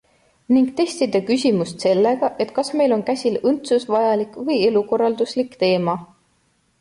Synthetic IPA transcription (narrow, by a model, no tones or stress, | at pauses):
niŋɡ̥̚t̪e̞st̪id̪ɑkysʲimust̪se̞lːeɡ̥ɑʔe̞t̪ˑkɑsme̞jlo̞nkæsʲilɤnt̪susvɑjɑlikvɤ̞je̞luko̞rːɑld̪uslikt̪e̞ːmɑ